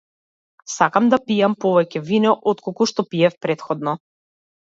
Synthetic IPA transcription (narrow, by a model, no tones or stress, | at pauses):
sakamd̪apijampɔvɛcɛvinɔʔɔt̪̚kɔkuʃt̪ɔpiɛfpɾɛt̪xɔd̪nɔ